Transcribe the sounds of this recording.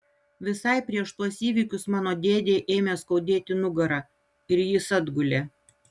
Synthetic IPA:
ʋʲɪsɐɪpʲɾʲiɛʃt̪uɔsiːʋʲiːˑkʲʊsmɑːnoːd̪ʲeːd̪ʲeːʔeːmʲeːskɒʊd̪ʲeːt̪ʲɪnʊɡɐɾɑː | ɪɾjɪsɐd̪ɡʊlʲeː

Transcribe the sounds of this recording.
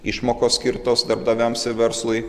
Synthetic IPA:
ɪʃmoːkoːsʲkʲɪɾt̪oːsd̪ɐɾbd̪ɐʋʲæmsɪʋʲɛɾslˠʊɪ

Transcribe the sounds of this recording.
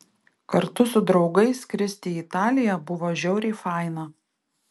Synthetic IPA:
kɐɾt̪ʊsʊd̪ɾɒʊɡɐɪskɾʲɪsʲt̪ʲiːit̪ɑːlʲɪjɛbʊʋoːʒʲɛʊɾʲiːfɑˑɪnɐ

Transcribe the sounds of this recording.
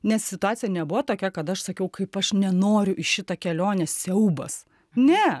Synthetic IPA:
nʲɛssʲɪt̪ʊɑːtsʲɪjɛnʲɛbʊʋɐt̪oːkʲɛkɐt̪ɐʃsɐkʲɛʊkɐɪpɐʃnʲɛnoːɾʲʊʔɪʃʃʲɪt̪ɐkʲɛlʲoːnʲɛsʲɛʊbɐ̰s | nʲɛ

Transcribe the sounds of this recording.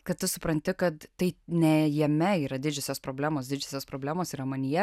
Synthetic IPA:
kɐt̪t̪ʊsʊpɾɐnʲt̪ʲɪkɐt̪t̪ɐɪnʲɛjɛmʲɛiːɾɐd̪ʲɪd͡ʒʲʊsʲoːspɾoːbʲlʲæːmoːsd̪ʲɪd͡ʒʲʊsʲoːspɾoːblʲæːmoːsiɾɐmɐnʲɪjɛ

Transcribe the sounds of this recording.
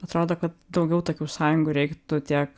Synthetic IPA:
ɐt̪ɾoːd̪oːkɐt̪̚d̪ɒʊɡʲɛʊt̪oːkʲuːsɑːjʊŋɡʊɾʲɛɪkt̪ʊt̪ʲiɛk

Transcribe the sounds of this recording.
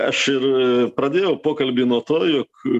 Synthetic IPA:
ɐʃɪrpɾɐd̪ʲeːjɛʊpoːkɐlʲbʲiːnuɔt̪oːjoːk

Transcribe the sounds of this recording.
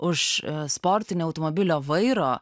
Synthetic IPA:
ʊʃspoːɾʲt̪ʲɪnʲoːɐʊt̪omoːbʲɪlʲoːʋɐɪɾoː

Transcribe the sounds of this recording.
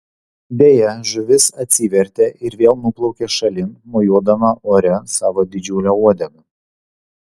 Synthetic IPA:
b̪ʲeːjɛʒʊʋʲɪsɐt̪ʲsʲiːʋʲɛɾʲt̪ʲeʔɪɾʋʲeːlˠnʊplˠɒʊkʲeːʃɐlʲɪmmoːjuɔd̪ɐmɐʔoːɾʲɛsɑːʋoːd̪ʲɪd͡ʒʲʊlʲouɔd̪ʲɛɡɐ

